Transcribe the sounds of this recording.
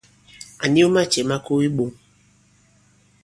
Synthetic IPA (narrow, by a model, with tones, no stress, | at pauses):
a˨ni˦o˦ma˦˨t͡ʃe˨ma˦ko˦i˦ɓo˨